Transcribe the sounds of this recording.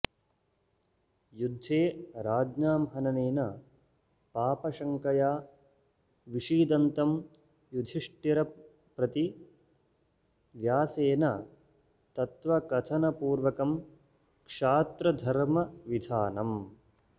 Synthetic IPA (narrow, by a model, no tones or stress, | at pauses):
jud̪ʱːeːɾaːd͡ʒnaːmɦɐnɐneːnɐ | paːpɐʃɐŋkɐjaː | ʋiʂiːd̪ɐnt̪ɐm | jud̪ʱiʂʈjiɾɐ | pɾɐt̪i | ʋjaːseːnɐ | t̪ɐt̪ʋɐkɐt̪ʰɐnɐpuːɾʋɐkɐm | kʂaːt̪ɾɐd̪ʱɐɾmɐʋid̪ʱaːnɐm